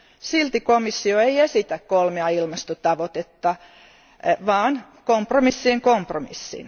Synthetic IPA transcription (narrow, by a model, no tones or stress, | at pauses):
silt̪ikomisːioeiesit̪ækkolmeɑilmɑst̪ot̪ɑʋot̪et̪ːɑ | ʋɑːn | kompromisːieŋkompromḭsːḭn